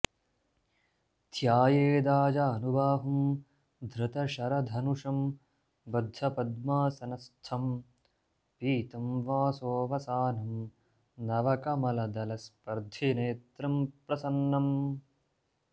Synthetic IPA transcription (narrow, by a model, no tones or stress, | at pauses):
t̪ʰjaːjeːd̪aːd͡ʒaːnubʱaːɦɐm | d̪ʱɾɐt̪ɐʃɐɾɐd̪ʱɐnuʂɐm | bɐd̪ʱɐpɐd̪maːsɐnɐst̪ʰɐm | piːt̪ɐmʋaːsoːʋɐsaːnɐm | nɐʋɐkɐmɐlɐd̪ɐlɐspɐɾd̪ʱineːt̪ɾɐmpɾɐsɐnːɐm